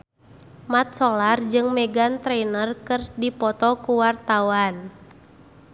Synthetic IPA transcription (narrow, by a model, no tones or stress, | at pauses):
mat̪̚sɔlard͡ʒɨŋmɛɡant̪ɾɛnərkɨrdipɔt̪ɔkuwart̪awan